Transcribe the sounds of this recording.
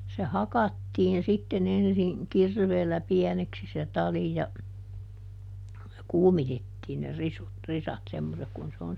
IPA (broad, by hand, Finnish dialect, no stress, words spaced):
se hɑkɑtːiːn sitːen ensiŋ kirʋeːlːæ piɛneksi se tɑli jɑ kuːmitetːiːn ne risut risɑt semːosek kun se on